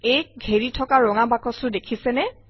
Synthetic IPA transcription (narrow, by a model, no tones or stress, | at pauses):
ek̚ɡʱeɹitʰɔkaɹɔŋabakɔsʊdekʰisɛnɛ